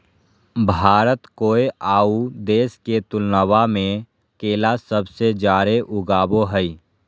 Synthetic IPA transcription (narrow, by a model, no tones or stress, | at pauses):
bʱaːɾət̪koːeʔaːud̪eːsket̪ʊlnəʋamẽ | keːlasəbsed͡ʒaːɾeʔʊɡaːboɦəi